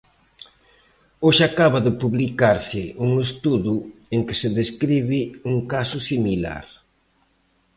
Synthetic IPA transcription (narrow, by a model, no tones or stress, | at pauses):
oʃakaβaðɪpuβlikaɾsɪʔuŋest̪uðueŋkɪ̥sɪðeskɾiβɪuŋkasʊsimila̰ɾ